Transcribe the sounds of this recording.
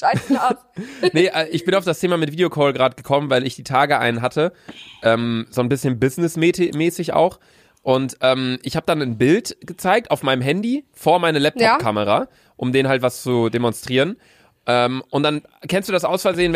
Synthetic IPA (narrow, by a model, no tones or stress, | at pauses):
a | nəʔɛːʔɪçb̥ɪnaʊfd̥astʰeːmamɪtviːdeokʰɔːlɡʁaːdəɡ̥əkʰɔmənvaɪlɪçd̥iːtʰaːɡəʔa̰ɪnənɦatʰəʔɛːmzoːnbɪsçənbɪznɪsmːtmɛːsɪça̰ʊx | ʔʊntʔɛːmʔɪçhaːbədanənbɪltɡ̥ət͡saɪk̚taʊfmaɪnəmɦɛndifoːɐmaɪnəlɛp̚tʰɔpkʰaməʁa | ʔʊmdeːnhaltv̥ast͡sudemɔnstʁ̥iːʁən | ʔɛːmʔʊnt̚d̥an | kʰɛnstd̥uːdasʔaʊsfɛɐzeːən